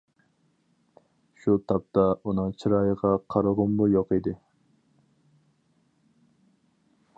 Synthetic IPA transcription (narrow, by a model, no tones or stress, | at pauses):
ʃut̪ʰɑp̚t̪ɑʔunɨŋt͡ʃʰiɾɑjəʁɑqʰɑɾəʁʊmbujoqid̪ɪ